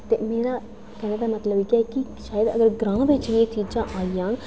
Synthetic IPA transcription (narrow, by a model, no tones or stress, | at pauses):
t̪ḛːmeːɾaː | kɛːneːd̪aːmət̪ləbikakiʃaːjəd̪ə̰ɡəɾɡɾãːʋɪt͡ʃʋet͡ʃiːd͡ʒãːʔaːijãː